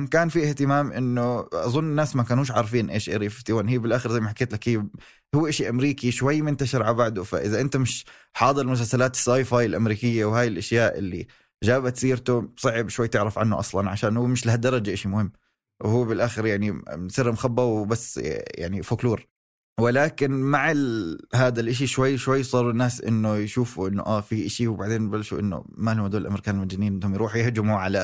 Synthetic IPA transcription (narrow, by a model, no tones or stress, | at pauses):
mkaːnfiʔɪht̪ɪmaːmʔɪnːʊʔɑðˤʊnːɪnːaːsmakaːnhuːʃʕɑɾˤfiːnʔḛːʃʔɑ̰ɾiːfɪft̪ɪwaːnhiːbɪlʔaːxɪɾzajmaħakːeːt̪lakhiːb | hʊwːʔaʃiʔamɾiːkiʃwajːmʊnt̪aʃɪɾʕabaʕd̪ʊfa̰ʔɪðaʔɪnt̪amɪʃ | ħɑːd̪ˤɨɾlmʊs̬alsalaːt̪ɪ̥sːajfaːjɪlʔamɾiːkɪjːawhaːjɪlʔaʃjaːʔɪ̰lːi | d͡ʒaːbat̪siːɾt̪ʊsˤɑʕɪbʃwajːt̪ɪʕɾɑfʕa̰nːʊ̰ʔɑ̰sˤlɑnʕaʃaːnhʊːmɪʃlahad̪ːɑɾˤɑd͡ʒaʔaʃimʊhɪmː | whuːbɪlʔaːxɪɾjaʕninsˤiːɾmxabːawbasːja̰ʕnifakluːɾ | wɪlaːkɪnmaʕalɦaːd̪alʔaʃ̬iʃwajːʃwajːsˤɑːɾˤʊnːaːsʔɪ̰nːʊjʃuːfuʔɪnːʊ̰ʔafiʔaʃiwbaʕd̪eːnbalʃuʔɪ̰nːʊ̰mahʊwːd̪oːlɪlʔamɾkaːnɪlmad͡ʒɪniːnʔɪnhʊmjɾuːħjɪhd͡ʒɪmuʕala